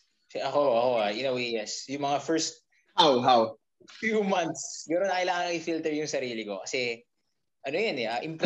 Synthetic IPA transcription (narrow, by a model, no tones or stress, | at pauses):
sɛʔɐkoʔɐko̞aʔɪnɐwejɛsjʊŋmɐŋafɛɹst̪̚ | hawɦaw | fjumant̪sɡɐnonɐkɐlaːkɐŋɪfilt̪ɛɹjʊŋsɐɾiːlɪko̞kɐsɛ | ʔɐnojɐnɛʔaːʔɪmp